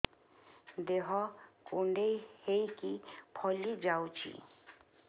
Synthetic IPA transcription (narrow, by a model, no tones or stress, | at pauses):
d̪eɦɔkuɳɖejhejkipʰɔlid͡ʒawt͡ʃʰḭ